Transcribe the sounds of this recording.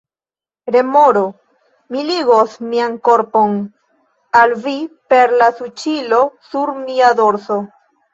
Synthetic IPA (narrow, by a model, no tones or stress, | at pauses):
ɾe̞moɾo | miliɡosmiaŋko̞ɾpo̞n | alvipe̞ɾlasut͡ʃilo̞suɾmiad̪o̞ɾso̞